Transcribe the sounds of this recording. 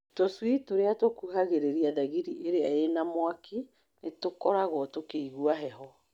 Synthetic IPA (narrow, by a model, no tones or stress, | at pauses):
toswitoɾeatokuɦaɣeɾeɾiaðaɣiɾiʔeɾeaenamwaki | netokɔɾaɣɔtokeiɣuaɦɛɦɔ